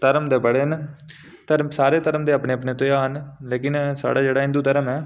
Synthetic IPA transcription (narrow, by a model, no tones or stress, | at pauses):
t̪əɾəmd̪eːbəɽeːɦən | t̪əɾmsaːɾeːt̪əɾəmd̪eːaːpneːəpneːt̪ojaːɦənleːkɪnsa̰ːɽaːd͡ʒeːɽaːɪ̃nd̪uːt̪əɾəmɛː